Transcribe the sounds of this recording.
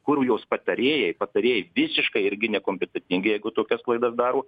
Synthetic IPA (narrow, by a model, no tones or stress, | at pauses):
kʊɾʲuːjoːspɐt̪ɐɾʲeːjɛpɐt̪ɐɾʲeːjɛʋʲɪsʲɪʃkɐɪɪɾʲɡʲɪnʲɛkoːmʲpʲɛt̪ʲɛt̪ʲɪŋʲɡʲɪjɛɪɡʊt̪oːkʲɛsklˠɐɪd̪ɐsd̪ɑːɾoː